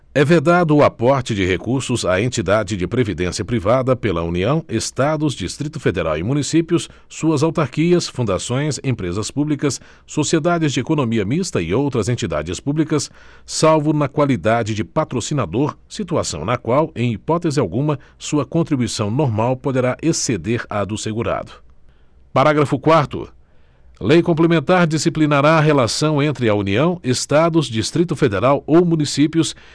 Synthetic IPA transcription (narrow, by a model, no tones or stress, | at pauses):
ɛved̪ad̪ʊːapɔɾt͡ʃɪd͡ʒɪhekuɾsʊzaẽnt͡ʃid̪ad͡ʒɪd͡ʒɪpɾevid̪ẽsiɐpɾivad̪ɐpelɐṵniɐ̃w̃est̪ad̪ʊzd͡ʒist̪ɾit̪ʊfed̪eɾa̰wɪmũnisipjʊsː | uɐzawt̪aɾkiɐsfũnd̪asõj̃sẽpɾezɐspublikɐs | sosied̪ad͡ʒɪzd͡ʒɪekonõmiɐmist̪ɐɪowt̪ɾɐzẽnt͡ʃid̪a̰d͡ʒɪspublikɐsː | awvʊnɐkwalid̪ad͡ʒɪd͡ʒɪpat̪ɾosinad̪oɾ | sit̪uasɐ̰̃w̃nɐkwawẽj̃ipɔt̪ezɪawɡũmɐsuɐkõnt̪ɾibujsɐ̃w̃noɾmawpod̪eɾaʔesed̪eɾad̪ʊseɡuɾa̰d̪ʊ | paɾaɡɾɐfʊkwaɾt̪ʊ̰ | lejkõmplemẽnt̪aɾd͡ʒisiplinaɾaːɦelasɐ̃w̃ẽnt̪ɾɪɐuniɐ̃w̃est̪ad̪ʊzd͡ʒist̪ɾit̪ʊfed̪eɾawowmũnisipjʊs